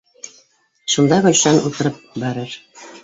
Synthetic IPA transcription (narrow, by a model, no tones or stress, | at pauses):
ʃɤ̆lˠd̪ɑɡɵ̆lʃænut̪ɤ̆ɾɤp̚bæɾɘɾ